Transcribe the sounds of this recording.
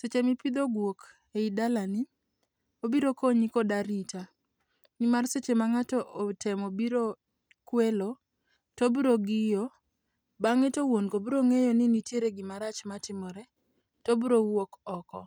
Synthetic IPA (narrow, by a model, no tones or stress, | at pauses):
set͡ʃemɪpid̪oɡwok | eidalanɪ | obiɾokoɲikodaɾita | nɪmarset͡ʃemaŋatɔʔotʰɛmobiɾo | kwelo | tobɾoɡɪjo | baŋɛtowonkobɾoŋejɔnɪnitjeɾeɡɪmaɾat͡ʃmatɪmɔɾɛ | tobɾowokɔkɔ̰